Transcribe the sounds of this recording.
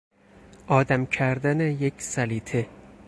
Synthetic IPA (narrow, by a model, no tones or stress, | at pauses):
ʔɒːd̪æmcʰæɾd̪ænejecʰsæliːt̪ʰe